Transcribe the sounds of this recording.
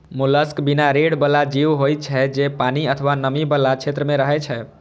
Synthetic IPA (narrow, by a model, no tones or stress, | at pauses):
muləskbinaɾeɽbəlːad͡ʒiwɦoj̪t͡ʃʰɛd͡ʒepaniət̪ʰəʋanəmibəlːat͡ʃʰet̪ɾəmeɾəɦɛt͡ʃʰɛ